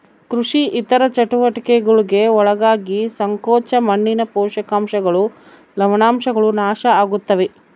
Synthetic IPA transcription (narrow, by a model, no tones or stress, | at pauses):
kɾuʂiʔit̪ɐɾɐt͡ʃɐʈuʋɐʈɐkɛɡɐɭuɡe̞ɔɭɐɡaːɡisɐŋkɔːt͡ʃɐmɐɳːinɐpɔːʃɐkaːmʃɐɡɐɭu | lɐʋɐnaːmʃɐɡɐɭunaːʃɐaːɡut̪ːɐʋe